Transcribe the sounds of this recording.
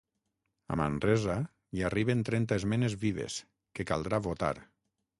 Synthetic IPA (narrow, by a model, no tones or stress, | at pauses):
a̰ma̰nrɛza | jariβent̪ɾɛnt̪aezmɛnezβiβḛs | kekalˠd̪ɾaβot̪a̰ɾ